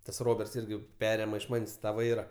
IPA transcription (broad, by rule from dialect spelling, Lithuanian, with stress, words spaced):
tɐs ˈroːbʲɛrts ˈɪrʲɡʲɪ ˈpʲæːrʲeːmɐ ɪʃ ˈmɐnʲsʲ tɐ ˈʋɐɪrɐ